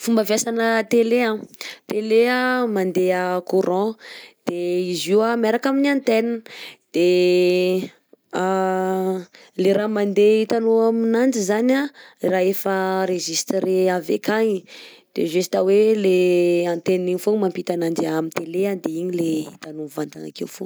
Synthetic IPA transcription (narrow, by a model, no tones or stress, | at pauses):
fumbavjasanət̪eleãt̪eleamand̪eəkuɾʔɔ̃d̪̥eiziwamaɾakaminãnt̪ennd̪̥e | a | leɾamand̪eit̪anoaminand͡ʒizanaraefəɾeʒist̪ɾeavḛkaɲi | d̪̥ḛʒesi̥t̪aweleãnt̪enniɲifomampit̪anand͡ʒamint̪elead̪eiɲileḭt̪anovand̪ana̰kewfo̰